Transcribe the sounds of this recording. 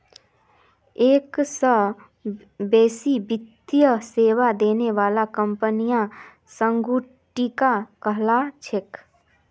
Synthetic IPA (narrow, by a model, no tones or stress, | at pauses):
eːksə | beːsibɪd̪jəseːwad̪eːneʋaːlakəmpənijã | sə̃ŋɡuː | ʈːikakəɦlat͡ʃʰek